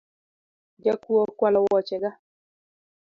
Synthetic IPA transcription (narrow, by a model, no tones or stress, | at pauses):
d͡ʒakuokwalɔwɔt͡ʃɛɡa